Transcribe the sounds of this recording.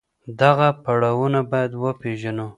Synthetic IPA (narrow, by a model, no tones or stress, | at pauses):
d̪aɣapaɽawunabɑjad̪wəpeʒano